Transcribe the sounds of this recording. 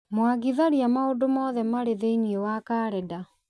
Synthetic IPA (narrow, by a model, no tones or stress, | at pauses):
mwaɡiðaɾiamaodomɔðɛmaɾeðeiniewakaːɾɛda